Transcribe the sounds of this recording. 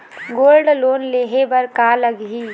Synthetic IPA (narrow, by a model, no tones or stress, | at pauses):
ɡoːlɖloːnleːɦebəɾkaləɡɦiː